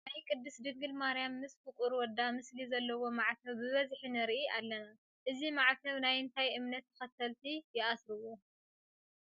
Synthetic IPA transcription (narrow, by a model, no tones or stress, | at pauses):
najkʼɨd̪ːɨsd̪ɨŋɡɨlmaɾijamːɨsfɨkʼuɾwɔd̪amɨslizɐlːɐwo̞maʕt̪ʰɐwbɨβɐzħinɨɾʔiʔalːɐna | ʔɨzimaʕt̪ʰɐwnajɨnt̪ʰajʔɨmnɐt̪ːɐ̥xɐt̪ʰːɐlt̪ʰijɪʔasɾɨwo